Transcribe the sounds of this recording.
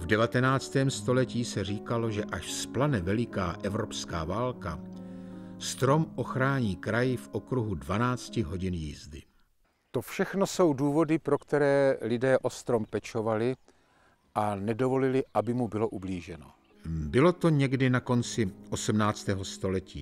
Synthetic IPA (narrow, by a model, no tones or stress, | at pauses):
vdɛvat̪ɛnaːt͡st̪ɛːmst̪o̞lɛciːsɛr̝iːkalo̞ʒɛʔaʃsplanɛvɛlɪkaːʔɛvɾo̞pskaːvaːlka | st̪ɾo̞mʔo̞xɾaːɲiːkɾajɪfʔo̞kɾuɦudvanaːt͡scɪɦo̞ɟɪnjiːzdɪ | t̪ofʃɛxno̞so̞wduːvo̞dɪpɾo̞kt̪ɛɾɛːlɪdɛːʔo̞st̪ɾo̞mpɛt͡ʃo̞valɪ | ʔanɛdo̞vo̞lɪlɪʔabɪmubɪlo̞ʔubliːʒɛno̰ | bɪlo̞t̪o̞ɲɛɡdɪnako̞nt͡sɪʔo̞smnaːt͡st̪ɛːɦo̞st̪o̞lɛciː